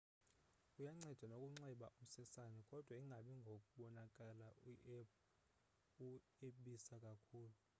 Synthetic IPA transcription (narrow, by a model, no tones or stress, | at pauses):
ujaŋ͡ǀɛd̥ʱwanokʼuŋ͡ǀɛɓaʔum̩sɛsanɛkʼɔd̥ʱwaiŋʱaɓiŋɡʱokʼuɓɔnakʼalaiʔɛp | u | eɓisakʼakʰuːlu